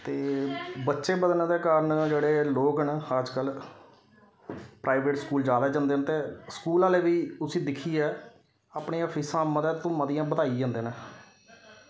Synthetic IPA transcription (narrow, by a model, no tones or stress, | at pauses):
t̪eːbətːʃeːbəd̪ənẽːd̪eːkaːɾəɳd͡ʒeːɽeːloːknaːd͡ʒkəl | pɾʔaːɪʋeːʈskuːld͡ʒaːd̪aːd͡ʒãːnd̪eːnt̪eːsə̥kuːlãːleːʋiːʊsĩːd̪ɪkʰiːɛː | aːpɳeːaːpʰiːsãːməd̪əd̪t̪õːməd̪ɪjãːbəd̪aːiːd͡ʒãːnd̪eːnɛː